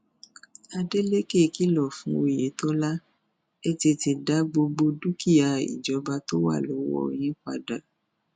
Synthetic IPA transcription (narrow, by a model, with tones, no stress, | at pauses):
a˧de˦le˦ke˦˨˦ki˦lɔ˦˨fũ˨˦o˧˨je˨˦tɔ˦la˦ | e˦ti˧ti˨da˨˦ɡ͡bo˧ɡ͡bo˧du˦ki˦˨ja˨ḭ˨d͡ʒɔ˨˦ba˧to˦wa̰˦˨lo˨˦wɔ̰˦˨j̃ĩ˨˦ka̰˧da˨